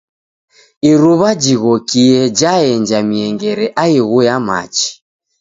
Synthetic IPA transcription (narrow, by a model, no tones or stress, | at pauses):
iɾuβad͡ʒiɣɔkiɛd͡ʒaɛɲd͡ʒamiɛŋɡɛɾɛʔaiɣujama̰t͡ʃi̥